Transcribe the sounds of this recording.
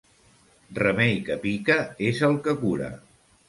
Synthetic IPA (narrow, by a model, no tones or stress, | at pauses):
rəmejkəpikəezəlˠkəkuɾə̰